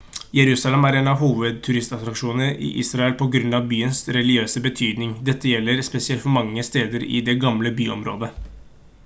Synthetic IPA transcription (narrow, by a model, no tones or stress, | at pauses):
jɛɾʉːsɑlɛmæɾeːnɑʋɦuːʋəd̪̚t̪ʰʉɾɪst̪ɑt̪ɾɑkʂuːnəʔɪ̰ʔiːsɾɑɛlpʰɔɡɾʉnːɑʋbyːənsɾɛlɪøːsəbət̪ʰyːd̪nɪŋd̪ɛt̪ːəjɛlːəɾspɛsɪɛlt̪fɔɾmɑŋːəst̪eːd̪əɾɪ̰d̪ɛɡɑmləbyːɔ̰mɾo̰ːd̪ə